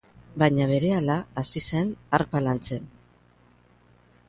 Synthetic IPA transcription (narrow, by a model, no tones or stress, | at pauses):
baɲaβe̞ɾe̞alaːsise̞naɾpalant͡se̞n